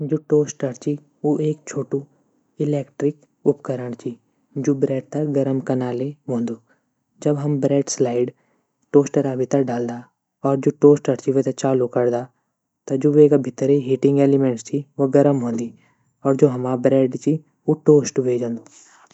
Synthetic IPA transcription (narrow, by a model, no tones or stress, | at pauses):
d͡ʒoːʈoːsʈəɾt͡ʃi | oʔeːk̚t͡ʃʰoːʈu | ɪleːkʈɾɪk | ʊpkəɾəɽ̃t͡ʃʰi | d͡ʒoːbɾɛːɖ̚t̪ɐɡɐɾəmkɐnaːleɦõːnd̪oː | d͡ʒɐbɦɐmbɾɛːɖslaːɪɖ | ʈoːsʈəɾabʱit̪əɖaːld̪aː | ɔːɾd͡ʒoːʈoːsʈəɾt͡ʃiʋet̪ɐt͡ʃaːlukɐɾd̪a | t̪ɐd͡ʒoːʋeːkabʱɪt̪ɾeɦiʈɪ̃ŋɡeːlɪmẽɳʈst͡ʃʰiʋoɡɐɾəmɦõːnd̪iː | ɔːɾd͡ʒoːɦɐmabɾɛːɖt͡ʃi | oʈoːsʈbʱeːd͡ʒə̃ːnd̪oː